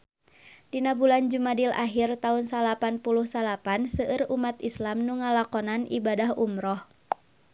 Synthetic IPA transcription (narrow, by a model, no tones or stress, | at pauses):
dinabuland͡ʒumadila̰ɦirt̪aunsalapanpuluhsalapansəʔɨrumat̪islamnuŋalakɔnanʔḭbadaɦumɾɔh